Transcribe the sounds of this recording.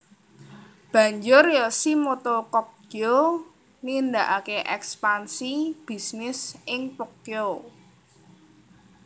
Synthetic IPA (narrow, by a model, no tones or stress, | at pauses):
b̥ä̤ɲd͡ʒʊrjɔsimot̪okɔk̚o | nind̪aʔakeʔɛkspansib̥i̤snɪsɪŋpɔk̚t̪eo